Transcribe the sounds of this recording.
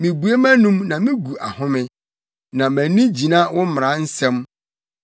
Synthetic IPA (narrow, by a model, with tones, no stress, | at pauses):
mĩ˨bu˨e˦mæ̃˦nũ˦mnã˨mɪ̃˦ɡu˨ʔa˨hʊ̃˦mɪ̃˦ | nã˨mæ̃˨nĩ˦d͡ʑi˨nã˦wʊ̃˦m̃˨ɾã˦n̩˦sɛ̃˦m